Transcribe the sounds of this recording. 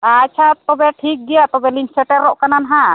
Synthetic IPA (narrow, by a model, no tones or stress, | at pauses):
at͡ʃʰat̪ɔbɛʈʰik̚ɡɛjat̪ɔbɛlinsɛʈɛɾɔʔkananaɦa